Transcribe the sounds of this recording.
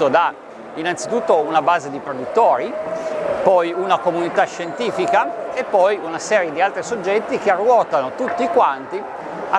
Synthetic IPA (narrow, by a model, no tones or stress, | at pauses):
od̪a | inant̪sit̪ut̪ːounabaːzed̪ipɾod̪ut̪ːoːɾi | pɔjunakomunit̪aʃːent̪iːfikaepːɔjunasɛːɾjed̪ialt̪ɾisod͡ʒːɛt̪ːikearːwɔːt̪anot̪ut̪ːiːkwant̪i | a